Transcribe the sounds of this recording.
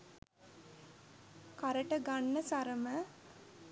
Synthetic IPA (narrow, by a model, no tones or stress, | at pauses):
kaɾəʈəɡanːəsaɾəmə